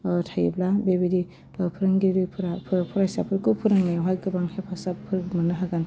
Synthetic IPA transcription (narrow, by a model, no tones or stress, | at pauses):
tʰajiblabebedi | ɯpʰɯɾɯŋɡiɾɯjpʰɯɾapʰɾpʰuɾasapʰɯɾkɯpʰɯɾɯŋnajawɦajɡɯbaŋhepʰasapʰɯɾmɯnɯɦaɡan